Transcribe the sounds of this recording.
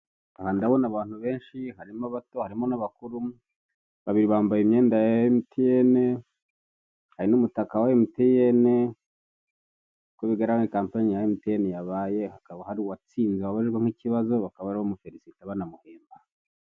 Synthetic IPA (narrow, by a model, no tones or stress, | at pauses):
ahandawonaβaːn̥huβe̞ːnʃihaɾimaβatohaɾimo̞naβakuɾu | βaβiɾiβaːmbajimɲeːndajajemitʰijene | haɾinumutakawajemitijene | koβiɡaɾaŋikaːmpaɲijajemitejenejaβaːje̞hakaβahaɾiwat͡siːnziwaβaiʒɡweŋ̥iciβazo̞βakaβaβaɾiβomufeɾisitaβanamuheːmba